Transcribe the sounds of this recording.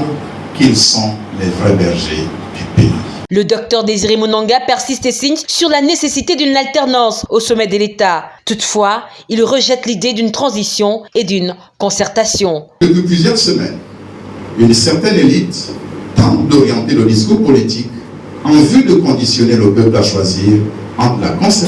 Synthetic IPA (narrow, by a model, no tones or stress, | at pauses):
kilsɔ̃ | lɛvʁɛbɛʁʒe | d̪̥ypḛḭ | ləd̪ɔk̚t̪œʁd̪eziʁemunɑ̃ɡapɛʁsist̪esiɲsyʁlanesesit̪ed̪ynalt̪ɛʁnɑ̃sosɔmɛd̪əlet̪at̪ut̪fwailʁəʒɛt̪lid̪ed̪ynt̪χɑ̃zisjɔ̃ed̪yn | kɔ̃sɛʁt̪asjɔ̃d̪̥əpɥyplyzjœʁsəmɛ̰n | ynsɛʁt̪ɛnelit̪t̪ɑ̰̃t̪d̪ɔʁjɑ̃t̪eləd̪is̬kopɔlit̪ik | ɑ̃vyd̪əkɔ̃d̪isjɔneləpœplaʃwaziːʁ | ɑ̃t̪la̰kɔ̃sɛ